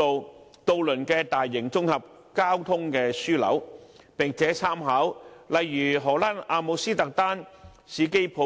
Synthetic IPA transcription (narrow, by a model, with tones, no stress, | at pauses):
o˨w | t̪o˧wlɵ˨˩nkɛː˧t̪aː˨jːɪ˨˩ŋt͡sʊ˥ŋhɐ˨p̚ | kaː˥wt̪ʰʊ˥ŋkɛː˧syː˥lɐ̰˨˥w | pɪ˨˩ŋt͡sʰɛː˨˥t͡sʰaː˥mɦaː˨˥wlɐ˨jːyː˨˩ɦɔː˨˩laː˥naː˧mo˨˧siː˥t̪ɐ˨k̚t̪aː˥n | siː˨˧ke˥jpʰo˨˥